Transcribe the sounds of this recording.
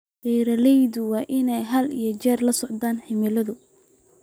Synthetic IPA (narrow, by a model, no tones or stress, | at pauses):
qiːɾɐlɛjðʊwɑːʔɪnɛjɦɐlijɔt͡ʃɛːrlɐsɔʕd̪aːnħɪmɪlɐðʊ